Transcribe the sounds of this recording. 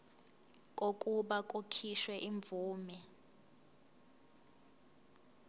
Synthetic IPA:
k̬ʼok̬ʼuɓak̬ʼokʰiʃwɛʔiɱb̪vuːmɛ

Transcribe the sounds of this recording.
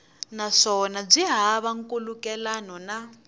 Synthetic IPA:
naʂɔnab͡ʐiɦaːβaŋ̩kulukɛlanɔna

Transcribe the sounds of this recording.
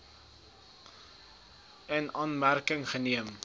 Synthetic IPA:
ənɑːnmærkəŋχəniəm

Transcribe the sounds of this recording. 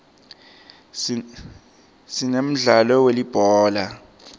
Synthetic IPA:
sinem̩ɮalɔwelib̥ʱɔːla

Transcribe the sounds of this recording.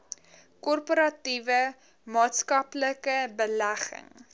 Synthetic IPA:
kɔrpoɾɐtivə | mɑːtskɐpləkəbəlæχə̰ŋ

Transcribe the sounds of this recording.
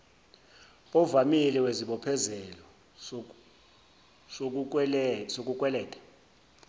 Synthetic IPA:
ɔvamilɛweziɓɔpʰɛzɛlɔ | sok̬ʼuk̬ʼwɛlɛːtʼḁ

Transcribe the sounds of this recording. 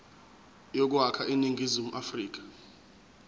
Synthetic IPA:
jok̬uɦakʰaʔiniŋɡʱizimuʔafriːk̬ḁ

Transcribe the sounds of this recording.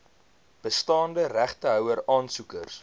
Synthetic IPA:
b̥əstɑːndəræχtəɦœwəɾɑːnsukə̰rs

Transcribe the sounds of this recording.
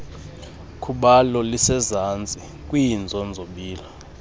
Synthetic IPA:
kʰuɓalɔlisɛzant͡sʼi | kʼwind͡zʱɔnd͡zʱoɓiːlɔ

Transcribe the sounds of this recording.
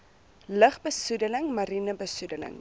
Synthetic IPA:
ləχbəsudələŋmɐɾinəbəsudələ̰ŋ

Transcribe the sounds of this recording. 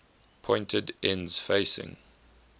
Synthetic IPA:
pʰɔ̃ɪ̃ntʰədɛ̃nz̥feɪsɪ̰̃ŋ

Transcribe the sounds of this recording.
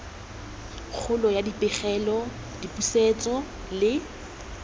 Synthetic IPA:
k͡xʰʊlɔjadipʼɪχɛlɔ | dipuset͡sʼɔ | lɪ

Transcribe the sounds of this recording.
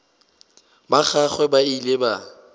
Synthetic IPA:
baχaχwɛbaileba

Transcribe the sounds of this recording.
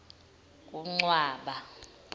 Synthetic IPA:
kʼuŋ͡ǀwaːɓa

